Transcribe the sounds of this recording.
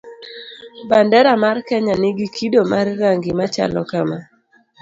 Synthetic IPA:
bandɛɾamarkɛɲanɪɡikʰidomarːaŋɡimat͡ʃa̰lɔ̰kama

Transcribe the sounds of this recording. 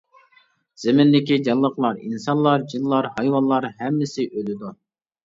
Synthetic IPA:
z̥ɪmɪnd̪ɪkʲid͡ʒɑlˠːəqlˠɑɾḭnsɑnlˠɑɾd͡ʒilˠːɑɾhɑjwɑnlˠɑɾɦɛmːɪsɪʔølɪd̪u

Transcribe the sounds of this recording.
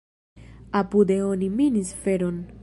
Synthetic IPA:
apud̪eoniminisfeɾo̞n

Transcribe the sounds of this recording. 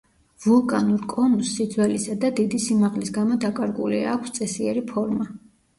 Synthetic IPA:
vulˠkʼanuɾkʼɔnusːid̪zwɛlisad̪ad̪id̪isimaʁlisɡamɔd̪akʼaɾɡulia̰kʷʰst̪sʼɛsiɛɾipʰɔɾma

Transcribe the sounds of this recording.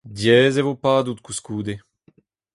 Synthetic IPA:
djɛːzevopaːd̪ut̪kuskuːd̪e

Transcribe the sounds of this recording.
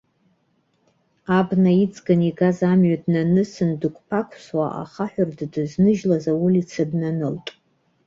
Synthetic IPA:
abnait͡sʼɡaniɡazamɥadnanɨsɨndɨkʷʰʼpʰakʷʰswa̰ʔa̰χaħᶣʷʊrddɨznɨʒlazawulit͡sʰɨbnanɨltʼ

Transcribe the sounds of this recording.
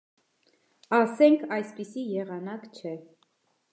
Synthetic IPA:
ɑsɛŋkʰɑjspisijɛʁɑnɑkt͡ʃʰɛ

